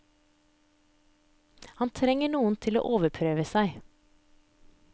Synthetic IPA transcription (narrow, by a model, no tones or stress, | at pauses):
hɑnt̪ʰɾɛŋəɳuːənt̪ʰɪlo̰ːʔoːʋəpʰɾøːʋəsæɪ